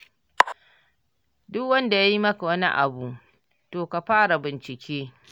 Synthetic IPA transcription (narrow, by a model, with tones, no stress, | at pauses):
dʊ˦kwɐ˦nda˨ja˦ji˦mɐ˦ka˨wɐ˦nḭ˦ʔa̰˨buː˨ | toː˨ka˨ɸaː˦ɽa˨bɪ˨nt͡ʃɪ˨kʲʰeː˦